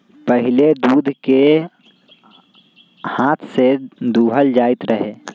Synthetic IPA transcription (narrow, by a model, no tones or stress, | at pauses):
pəɦɪled̪uːd̪ʱke | haːt̪ʰsed̪uːɦəld͡ʒaːɪt̪ɾəɦeː